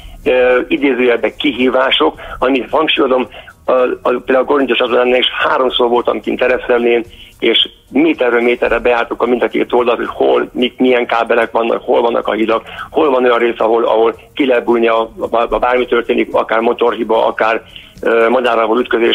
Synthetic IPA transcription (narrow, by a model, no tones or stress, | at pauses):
øid̪eːzøːjɛbːɛkːiɦiːvaːʃo̞kɒmit̪hɒŋkʃujo̞d̪o̞m | peːld̪aɡlko̞ɾint̪jot͡ʃɒt̪onaːnːaːliʃhaːɾo̞msoːrvo̞lt̪ɒ̰mkḭnt̪ɛɾɛsɛmleːneːʃ | meːt̪ɛrːøːlmeːt̪ɛrːɛbɛjaːrt̪uŋkɒmind̪ɒkḛːt̪o̞ld̪ɒlt̪ho̞cho̞lmikmijɛŋkaːbɛlɛkʋɒnːʔɒ̰kho̞lvɒnːʔɒ̰kɒ̰ɦid̪ɒkho̞lvɒno̞jɒnreːsɒɦo̞lɒ̰ɦo̞lkilɛɛt̪̚bulniɒɒbaːrmit̪ørt̪eːnikɒkaːrmo̞t̪o̞rɦibɒʔɒ̰kaːr | mɒd̪aːɾɒvolyt̪̚køzeːʃ